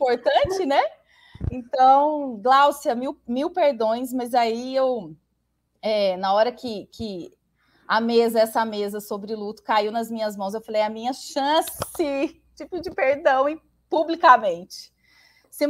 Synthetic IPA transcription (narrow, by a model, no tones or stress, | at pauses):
poɾt̪ɐ̃t͡ʃɪnɛ | ẽnt̪ɐ̃w̃ɡlawsiɐmiwmiwpeɾd̪õj̃s̬mɐzaiew | ɛnɐɔɾɐkɪkʰɪ | ɐmezɐɛsɐmezɐsobɾɪlut̪ʊ̥kaiwnɐzmĩɲɐzmɐ̃w̃szewfalejɐmĩɲɐʃɐ̃sɪ | t͡ʃipʊd͡ʒɪpeɾd̪ɐ̃w̃ĩ | publikɐmẽnt͡ʃɪ̥ | sẽ